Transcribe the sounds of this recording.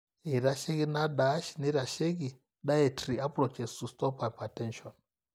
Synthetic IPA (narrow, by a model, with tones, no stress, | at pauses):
i˨ɾa˨ʃe˦ki˦na˦da˨˦ʃi˨ne˦ɾa˨ʃe˦k̬i˨ | ɗa˦e˨tʰri˨a˦pro˨t͡ʃɛ˨su˨stɔ˦pa˨pa˨tɛ˦nʃɔ˨n